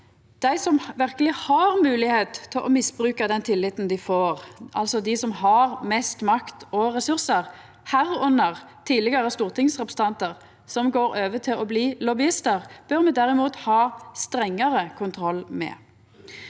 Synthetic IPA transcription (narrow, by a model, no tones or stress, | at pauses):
d̪̥æɪsɔmʋɪʁkəlɪhɑʁmʉːlɪheːt̪t̪ʰːɪlʔɔmɪsbʁʉːkɑd̪ɛnt̪ʰɪlːɪt̪nd̪ɪfoːʁʔɑ̰lsɔd̪ɪsɔmhɑʁmɛst̪mɑkt̪ɔʁɛsʉʁsəʁ | hæːʁʉnːəʁ | t̪ʰiːlɛɡəɾəst̪uːʁt̪ʰɪŋsʁɛpɾs̩t̪ɑnt̪əʁ | sɔmɡoːɾøːʋət̪ʰɪlɔbliːlɔbɪɪst̪əʁb̥œʁmɛd̪æʁɪmuːt̪hɑːst̪ɾɛŋːəɾəkʰʊnt̪ʰɾɔlːmɛ̰